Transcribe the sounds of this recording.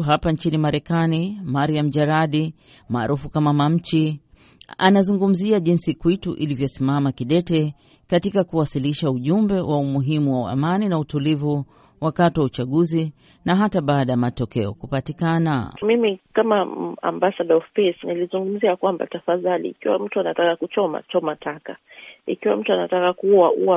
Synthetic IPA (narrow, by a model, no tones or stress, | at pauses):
ɦapant͡ʃinimaɾɛkanimaɾiam̩ʄaɾaɗi | maːɾʔufukamamam̩t͡ʃi | a̰nazuŋɡum̩ziaʄinsikwituʔḭlivjɔsimamakiɗɛtɛ | katikakuwasiliʃauʄumbɛwʔaumuɦimuwaa̰maninautulivu | wakatiwaut͡ʃaɠuzi | naɦataɓaːɗajamatɔkɛɔ̰kupatikana̰mimikamaa̰mbasaɗɔɔfpɛsnilizuŋɡum̩ziakwamba̰tafaðalḭːkiwa̰m̩tuanatakakut͡ʃɔma̰t͡ʃɔmatʰakaḭkiwam̩tuanatakakuaṵwa